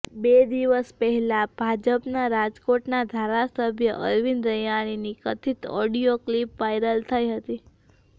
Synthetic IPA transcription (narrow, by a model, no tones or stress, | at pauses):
bed̪iʋəspəɦɛlabʱad͡ʒəpnaɾad͡ʒkoʈnad̪ʱaɾasəbʱjəʔəɾʋinɾəjaɽ̃inikət̪ʰit̪ɔɽioklipʋajɾəlt̪ʰəiɦət̪i